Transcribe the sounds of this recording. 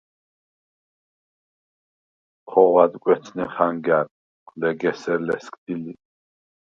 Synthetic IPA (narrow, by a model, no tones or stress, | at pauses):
χʰɔʁwad̪kʼwɛt̪t͡sʰnɛχaŋɡaɾ | lɛɡɛsɛɾlɛskʰʼd̪̥ili